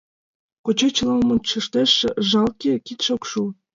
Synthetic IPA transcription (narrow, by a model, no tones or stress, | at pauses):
kot͡ɕet͡ɕlɑlmont͡ɕə̆ʃt̪eʃːĕʒɑlkekit̪ʃokʃu